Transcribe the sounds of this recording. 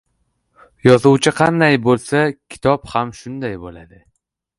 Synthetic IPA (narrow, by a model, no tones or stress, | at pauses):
jɒzʊwt͡ʃʰɪqʰɑnd̪ajbolˠsakʲʰɪ̥t̪ʰɒphamʃʊnd̪ajbolad̪ɪ